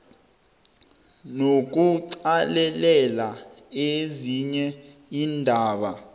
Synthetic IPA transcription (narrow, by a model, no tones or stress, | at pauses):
nok̬uǀalɛlɛlaeziɲɛiːndʱaːɓa